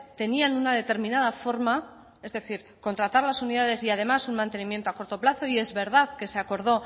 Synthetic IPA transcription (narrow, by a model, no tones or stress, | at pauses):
t̪e̞nianunað̞e̞t̪e̞ɾmĩnað̞afo̞ɾma | e̞zðe̞θiɾ | ko̞nt̪ɾat̪aɾlasuniðað̞e̞siað̞e̞masunmãnt̪e̞nĩmje̞nt̪oako̞ɾt̪o̞plaθo̞ie̞zβe̞ɾð̞aðke̞seako̞ɾð̞o̞